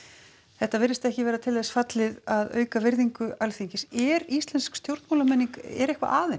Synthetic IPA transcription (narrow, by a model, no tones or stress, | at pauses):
θɛht̪ːavɪɾɪst̪ɛhcɪvɛːɾat̪ʰɪlðɛsfat̪lɪðaðœ̰ːɥkavɪɾðiŋkʏalθiɲcɪsɛɾist̪lɛnskst̪jowɾt̪moːlamɛnːiŋkɛɾɛhkva̰ʔaːðɪn